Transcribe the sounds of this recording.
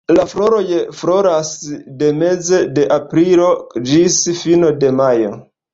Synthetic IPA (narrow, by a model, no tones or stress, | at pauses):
lafloɾojflo̞ɾasde̞me̞zede̞ʔapɾilo̞d͡ʒisfinode̞majo̞̰